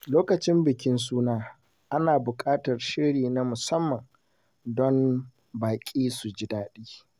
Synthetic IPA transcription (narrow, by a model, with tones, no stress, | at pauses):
loː˦kɐ˨t͡ʃɪ˦mbɪ˨kʲɪ˦ns̬uː˦naː˦ | ʔa˦naː˨bʊ˨kʼaː˦tɐ˨rʃɪ˦ɾiː˨na˦mʊ˨sɐ˦mːɐ˨ŋ | dɔ˦n | baː˨kʲʼiː˦su˨d͡ʒɪ˦daː˦ɗiː˦